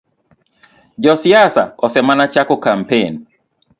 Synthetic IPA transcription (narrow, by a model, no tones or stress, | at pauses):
d͡ʒɔsiasa̰ɔsɛmanat͡ʃakɔkam̩pen